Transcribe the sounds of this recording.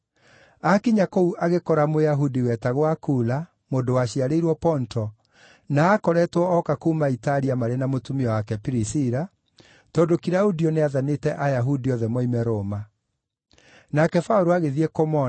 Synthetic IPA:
akiɲakouʔaɣekɔɾamojaɦudiwɛtaɣwakuːla | moːndowaɕiaɾeiɾwɔpɔntɔ | naːkɔɾɛtwɔɔkakuːmaitaɾiamaɾenamotumiɔwakɛpiɾisiɾa | tɔdokiɾaudiɔneaðanetɛʔajaɦudiɔðɛmɔimɛɾoma | nakɛfaoɾoaɣeðiɛkomɔ

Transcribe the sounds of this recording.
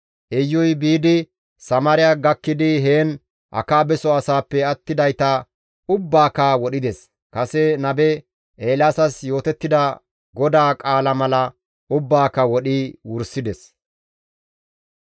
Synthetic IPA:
ʔɛjːɔjbiːd̪ɪ | sɐmaɾɪjaːɡɐkːɪd̪ɪɦeːn | ʔɐ̰kaːbɛsɔɐsaːpːɛɐt̪ːɪd̪ɐjt̪ɐ | ʊbːaːkawɔɗɪd̪ɛs | kɐsɛnɐbɛ | ʔeːlaːsɐsjo̞ːt̪ɛt̪ːɪd̪ɐ | ɡɔd̪aːkʼaːlɐmɐlɐ | ʊbːaːkːɐwɔɗiwʊɾsɪd̪ɛs

